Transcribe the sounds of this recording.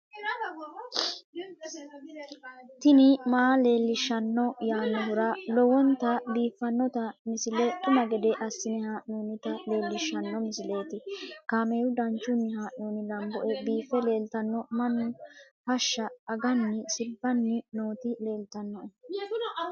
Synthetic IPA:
t̪ɪnɪmaːle̞ːlːɪʃːɐnːɔjaːnːɔɦʊɾɐlɔwɔnt̪ɐbiːfːɐnːɔt̪ɐmɪsɪlɛt̪ʼʊmɐɡɛd̪ɛʔɐsːɪnɛhaːʔnoːnɪt̪ɐle̞ːlːɪʃːɐnːɔmɪsɪle̞ːt̪ɪkaːmeːwʊd̪ɐnt͡ʃːʊnːɪhaːʔnoːnɪlɐmbɔʔɛbiːfɛle̞ːlt̪ɐnːɔmɐnːʊ | fɐʃːɐːɡɐnːɪsɪbːɐnːɪnoːt̪ɪle̞ːlt̪ɐnːɔʔɛ

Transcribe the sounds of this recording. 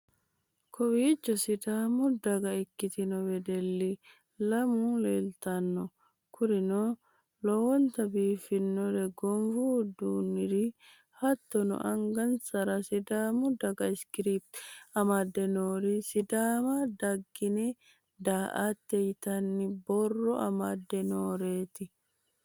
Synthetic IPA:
kʰɔwiːt͡ʃːɔsɪd̪aːmʊd̪ɐɡɐɛkːɪt̪ɪnɔwɛd̪ɛlːɪ | lɐmuːleːlt̪ɐnːɔ | kʰʊɾɪnɔ | lɔwɔnt̪ɐbiːfɪnːɔɾɛɡɔmfud̪uːnːɪɾɪ | hɐt̪ːɔnɔ̰ʔɐŋɡɐnsɐɾɐsɪd̪aːmʊd̪ɐɡɐɪskɾiːp̚t̪ɐmad̪ːɛnoːɾɪsɪd̪aːmɐd̪ɐɡːɪnɛ | d̪aːʔat̪ːɛjt̪ɐnːɪbɔrːɔɐ̰mad̪ːɛnoːɾeːt̪ɪ

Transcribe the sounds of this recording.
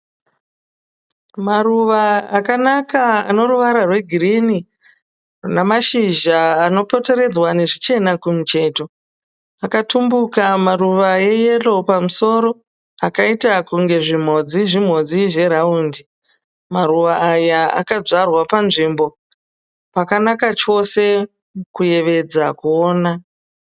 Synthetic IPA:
maruʋaːkanakaano̞ruʋaɾarwe̞ɡʱirini | namaʃiʒaːno̞po̞te̞ɾe̞d͡zwane̞ʐit͡ʃe̞nakumut͡ʃe̞ːto̞ | akatumbukamaruʋaje̞je̞lo̞pamuso̞ɾo̞ | akaitakuŋɡe̞ʐim̤o̞d͡ziʐim̤o̞d͡ziʐe̞ɾauːndi | maruʋaːjaa̰kad͡zarwapanʐimbo̞ | pakanakat͡ʃo̞se̞ | kuje̞ʋe̞d͡zakuoːna

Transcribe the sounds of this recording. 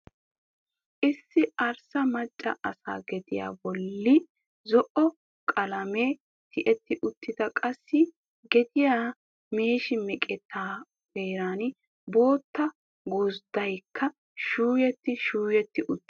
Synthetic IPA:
ʔɪsːɪʔɐɾsɐmɐt͡ʃʼːɐ̰ʔɐsa̰ːɡɛd̪ɪja̰ːbɔlːɪ | zɔʔɔ | kʼɐlɐmeː | t̪ʰɪʔɛt̪ːɪʔʊt̪ːɪd̪ɐkʼɐsːɪ | ɡɛd̪ɪjaː | meːʃɪmɛkʼɛt̪ʰːaː | d̪eːɾaːn | bo̞ːt̪ːɐ | ɡuzd̪ɐjkʰːɐ | ʃuːjɛt̪ːɪʃuːjɛt̪ːɪʔʊt̪ː

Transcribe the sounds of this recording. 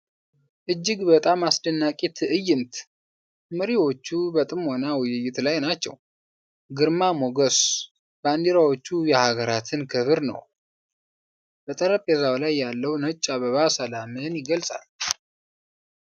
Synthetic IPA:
ʔɨd͡ʒːɪɡbət̪ʼamasd̪ənːakʼit̪ʰʔɨjːɪnt̪ | məɾiwo̞t͡ʃːubət̪ʼɨmwonawɨjɪjɪt̪lajnat͡ʃːɛ̰w | ɡɨɾmamoɡəs | band̪iɾawo̞t͡ʃːujɛhaɡəɾat̪ʰɨnkʰɨβɨɾnə̰w | b̥ət̪ʼəɾəpʼɛzawlajːalːəwnət͡ʃʼːaβəβasəlamɨnjɪɡəlsʼa̰l

